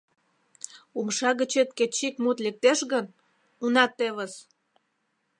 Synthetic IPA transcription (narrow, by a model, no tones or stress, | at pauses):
umʃɑɣə̆t͡ɕet̪ket͡ɕikmut̪lek̚t̪eʃɣən | unɑt̪ːeβəs